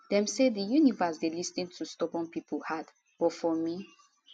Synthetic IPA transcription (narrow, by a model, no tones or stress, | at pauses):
dɛ̃msedijunivasdelisnĩntʰustɔbɔ̃npipʰulhad | b̥ɔfɔmi